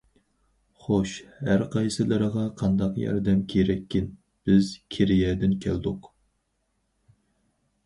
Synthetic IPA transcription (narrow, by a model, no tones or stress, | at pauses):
χoʃhæɾqʰɑjsɨlˠɨɾəʁɑqʰɑnd̪ɑqjɑ̰ɾd̪ɛmkʲʰeɾɛkʲʰːɪn | b̥ɪz̥kʲʰeɾɪjɛd̪ɪnkʲʰæld̪ʊq